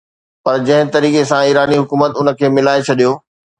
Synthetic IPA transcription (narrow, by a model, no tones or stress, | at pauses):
pɐɾd͡ʑɐ̃ɦɪ̃t̪ɐɾiːkesãiːɾaːniɦʊkuːmət̪ʊnə̆kʰeːmɪlaːet͡ɕʰɐɗijoː